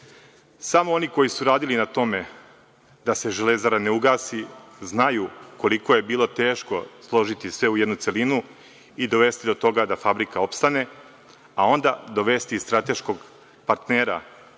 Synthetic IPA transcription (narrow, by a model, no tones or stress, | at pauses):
samoo̞niko̞jisuɾaːd̪ilinat̪o̞me̞ | d̪ase̞ʒelezaɾaneuɡaːsiznajuko̞liko̞je̞biːlˠo̞t̪e̞ːʃko̞slˠo̞ʒit̪isʋe̞ujed̪nut̪se̞linu | id̪o̞ʋe̞st̪id̪ot̪o̞ɡad̪afabɾikao̞pst̪ane̞ | ao̞nd̪ad̪o̞ʋe̞st̪ist̪ɾat̪e̞ʃko̞ɡ | paɾt̪neːɾa̰